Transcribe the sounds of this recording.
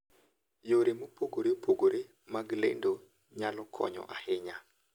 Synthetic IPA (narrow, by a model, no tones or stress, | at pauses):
joɾemopoɡoɾepʰoɡoɾe | maɡlḛndo | ɲalɔkʰɔ̰ɲɔ̰ʔahɪɲa